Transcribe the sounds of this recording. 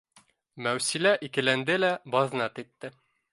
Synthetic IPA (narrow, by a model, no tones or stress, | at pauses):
mæwsilæʔikɘ̆lænd̪ɘlæbɑðnɑt̪it̪ːɘ